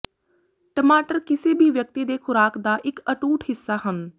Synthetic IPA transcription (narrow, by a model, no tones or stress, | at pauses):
ʈəmaːʈəɾkɪseːbʱiːʋjək̚t̪iːd̪eːxʰʊɾaːkd̪aːʔɪkəʈuːʈɦɪsːaːɦən